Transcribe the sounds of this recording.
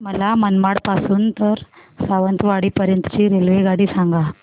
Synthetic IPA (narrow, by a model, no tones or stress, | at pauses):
məlamənmaɽpasuːnt̪əɾsaʋənt̪ʋaɽiːpəɾjənt̪ə̥t͡ɕiːɾelʋeɡaɽiːsaŋɡa